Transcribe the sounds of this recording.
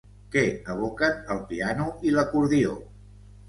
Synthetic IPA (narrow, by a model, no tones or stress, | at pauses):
kɛəβ̞okənəlˠpianuiləkuɾðio̰